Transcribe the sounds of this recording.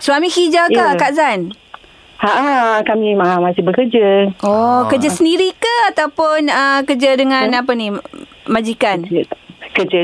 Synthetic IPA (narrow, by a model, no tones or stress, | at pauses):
swamĩhid͡ʒakakaʔzan | aʔakamimaamasɪbəkərd͡ʒəɔkəd͡ʒasəndiɾikəat̪awpʊnəkəd͡ʒadəŋãnapani | mad͡ʒikankəd͡ʒa